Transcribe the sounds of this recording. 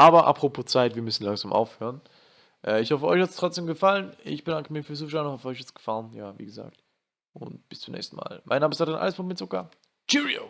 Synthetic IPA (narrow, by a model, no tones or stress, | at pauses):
ʔaːbɐʔa̰pʁ̥opʰoːt͡saɪtv̥iːɐmʏsn̩laŋzaːmʔa̰ʊfhøːʁən | ʔɛːɪçhɔfəʔɔ̰ʏçhatstʁ̥ɔt͡sd̥eːmɡəfalənɪ̰çb̥ədaŋkəmiːɐfyːɐszuːfʃ̬anhafɔʏçjɛt͡ssɡ̥ə̥faːʁənjaːvḭːɡəza̰ːk̚t | ʔʊnt̚b̥ɪ̥st͡sumnɛ̰ːçstn̩ma̰ːlmʔa̰ɪnːaːməɪstaːdʁənʔa̰ləsfomɪtt͡sʊkɐ | d͡ʒiʁio̰